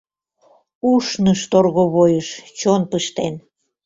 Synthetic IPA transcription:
uʃnəʃt̪orɣoβojəʃt͡ɕonpəʃt̪en

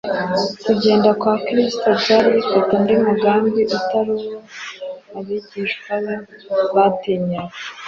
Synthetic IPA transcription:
kuɟe̞ːndakwaːkɾistobɟaːɾiβifatanudimuɡaːmbiʔutaɾuɾo | aβiɟiːʃkwajo | βatiɲawe

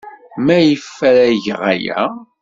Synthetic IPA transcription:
mæjəfːæɾæʝəʁæ̰jæ̰

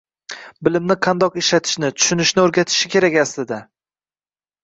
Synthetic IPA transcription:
bɪlɪmnɪqʰɑnd̪ɒqeʃlat̪ʰɪ̥ʃnɪt̪ʰʊ̥ʃʊnɪʃnɪoɾɡʲat̪ʰɪ̥ʃɪkʲe̞ɾakʲaslɪd̪a

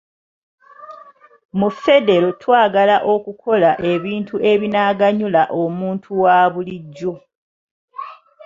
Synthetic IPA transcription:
mufe̞de̞lo̞twaːɡalaʔo̞kukʰo̞laʔe̞βiːntuʔe̞βinaːɡaɲulaʔomuːntʰuwaːβuliɟːo̞

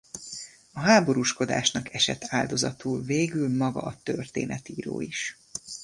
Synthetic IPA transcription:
ɒɦaːbo̞ɾuːʃko̞d̪a̰ːʃnɒkʰɛʃɛt̪ʰaːld̪o̞zɒt̪uːlveːɡylmɒɡɒ̰ɒt̪ørt̪ḛːnʔɛt̪iːɾo̰ːiʃ

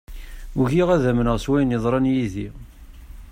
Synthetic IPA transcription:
uʝiʁæðæmənəʁswæjnəðˤɾˤɑnjiði

